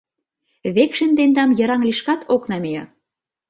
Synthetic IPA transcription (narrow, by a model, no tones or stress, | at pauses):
βekʃə̆nd̪end̪ɑmjɤ̆ɾɑŋliʃkɑt̪ʰoknɑmejɑ